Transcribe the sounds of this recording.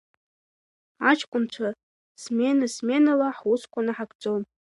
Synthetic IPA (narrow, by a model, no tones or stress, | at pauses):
at͡ʃʰkʷʼʊnt͡ʃʷʰa | smenasmenalaħuskʷʰʼanɨħakʼd͡zʼom